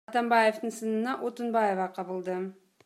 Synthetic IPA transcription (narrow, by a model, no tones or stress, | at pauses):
t̪ɑmbɑje̞ft̪əɴsənənɑʔo̞t̪ənbaje̞vɑqʰɑbəlˠd̪ə